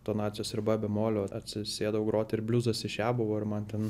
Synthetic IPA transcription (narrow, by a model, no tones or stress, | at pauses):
t̪oːnɑːt̪sʲɪjoːsɪrbɑːbʲɛmoːlʲoːɐt̪ʲsʲɪsʲeːd̪ɐʋoːɡɾoːt̪ʲɪɾbʲlʲuːzɐsɪʃʲjæːbɐʋoːɪɾmɐnt̪ʲɛn